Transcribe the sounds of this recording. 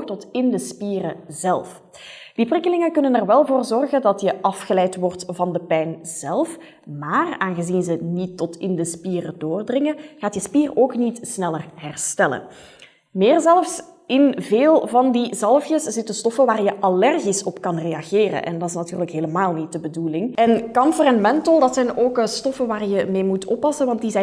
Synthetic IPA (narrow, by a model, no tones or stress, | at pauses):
tɔtɪndəspiːrəzɛlˠf | d̥iprɪkəlɪŋəkɵnənɛrʋɛlˠvoːrzɔrɣəndɑtjəʔɑfxəlɛjtʋɔrtvɑndəpɛjnz̥ɛlˠf | maːraːnɣəzinzənitːɔtɪndəspiːrədoːrdrɪŋəɣaːtjəspiːroːknitsnɛlərɦɛrstɛlə̰n | mɪːrzɛlˠfs | ɪnveːlˠvɑndizɑlˠfjəsz̥ɪtənstɔfəʋaːrjəʔalɛrɣisɔpkɑnrejɑɣeːrə̰nʔɛ̰ndɑtɪs̬natyːrləkɦeːləmaːlˠnit̚dəbədulɪŋɛnkɑnfəɾɛnmɛntəlˠdɑtsɛjnoːkstɔfəʋaːrjəmeːmutʰɔpːɑsənʋɑntdizɛ